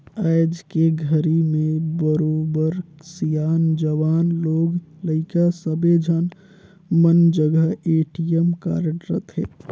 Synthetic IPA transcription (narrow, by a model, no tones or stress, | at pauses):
aɪd͡ʒkeɡʱəɾimẽbəɾoːbəɾsijaːnd͡ʒəʋaːnloːɡləɪkasəbed͡ʒʱən | mənd͡ʒəɡəɦeːʈijəmka̰ːɾʈɾət̪ɦɛ̰ː